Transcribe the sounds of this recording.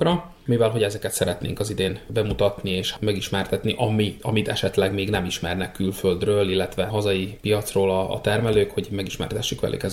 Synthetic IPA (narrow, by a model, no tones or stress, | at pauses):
rɒ | mivɛlɦo̞ɟɛzɛkɛt̪sɛɾɛt̪nḛːŋkɒzid̪eːnbɛmut̪ɒt̪nieːʃmɛɡiʃmɛrt̪ɛt̪niʔɒmiɒmit̪ɛʃɛt̪lɛɡmeːɡnɛmiʃmɛrnɛkːylføld̪røːlilːɛt̪ʋɛɦɒzɒjipijɒt̪sroːlɒ̰ːt̪ɛrmɛløːkhoɟmɛɡiʃmɛ̰rt̪ɛʃːikʋɛ̰lʔy̰kɛz